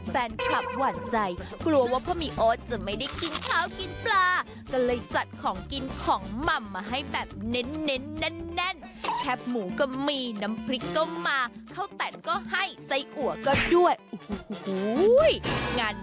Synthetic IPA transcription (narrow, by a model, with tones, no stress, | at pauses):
fɛː˧nkʰa˨˩p̚waː˨˩t̪̚t͡ɕa˧jkʰlu˧ɐwaː˥˩pʰɔː˥˩miː˧ʔoː˦˥t̪̚t͡ɕa˨˧˩ma˥˩jda˥˩jki˧nkʰaː˧˥˩wki˧nplaː˧ | kɔː˥˩lɤː˧jt͡ɕa˨˩t̪̚kʰɔː˩˦ŋki˧nkʰɔː˩˦ŋma˨˩mːaː˧ɦa˥˩jbɛː˨˩p̚ne˦˥nːe˦˥nːɛ˦˥˩nːɛ˥˩n | kʰɛ˦˥p̚muː˩˦kɔː˥˩miː˧na˦˥mkʰɾi˦˥kːɔ˥˩wmaː˧kʰa˥˩wt̪ɛ˨˩nkɔː˥˩ha˥˩jsa˧˥jʔu˨˩˦ɐkɔː˥˩du˥˩əju˨˩hhu˨˦jŋaː˧n